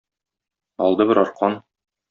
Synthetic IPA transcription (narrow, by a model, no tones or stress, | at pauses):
ɒ̰lˠd̪ɤbɘ̆ɾɒɾqɑn